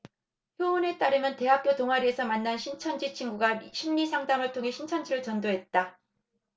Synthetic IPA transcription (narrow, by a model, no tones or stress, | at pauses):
çjoune̞t͈aɾɯmjʌnte̞ɦap̚k͈jotoŋɦaɾie̞sʰʌmanːanɕʰint͡ɕʰʌnd͡ʑit͡ɕʰiŋɡuɡaɕʰimːisʰaŋdamɯɭtʰoŋɦe̞ɕʰint͡ɕʰʌnd͡ʑiɾɯɭt͡ɕʌndoɦe̞t̚t͈a